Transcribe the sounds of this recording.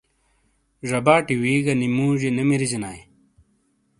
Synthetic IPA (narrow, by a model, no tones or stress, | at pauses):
ʐɐbaːʈiwiːɡɐnimuːʑenɐmiɾizinaːj